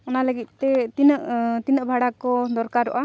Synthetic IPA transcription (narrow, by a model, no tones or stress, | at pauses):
ɔnaləɡit̪̚t̪ɛt̪inəʔt̪inəʔbʱaɽakɔd̪ɔɾkaɾːɔ̰ʔa